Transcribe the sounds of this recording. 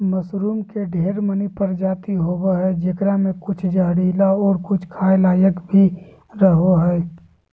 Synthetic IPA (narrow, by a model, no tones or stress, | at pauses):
məsɾuːmkeɖʱeːɾmənipəɾd͡ʒaːt̪iɦoːɡaɦɛːd͡ʒekɾamẽkʊt͡ʃʰd͡ʒaːɽilaɔːɾkʊt͡ʃʰkʰaːjlaːjəkbʱi | ɾəɦoɦɛː